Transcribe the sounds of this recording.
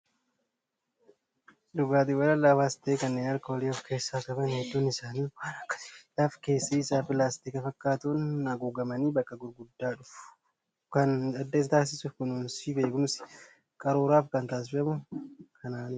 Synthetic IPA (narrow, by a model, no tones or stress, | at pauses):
d̪ʊɡaːt̪ɪwɐlɐlːaːwaːsɪ̥t̪eːkɐnːeːnɐɾkɐwɔliːɔfkʰe̞ːsːaːkʼɐbɐnhɛd̪ːuːnɪsaːniːwaːnɐkːɐ̥sɪ̥flafke̞ːsːɐɪsaːpɪlaːst̪ikɐfɐkːaːt̪unɐɡuːɡɐmɐniːbɐkːɐɡʊɾɡʊd̪ːaːᶑʊfʊ̥ | kɐnɐd̪ːes̬t̪aːs̬ɪsʊfkʊnuːnsiːbe̞ːkʊmsɪ̥ | kʼɐɾoːɾaːfkɐnt̪aːs̬ɪfɛmʊkʰɐnaːnɪ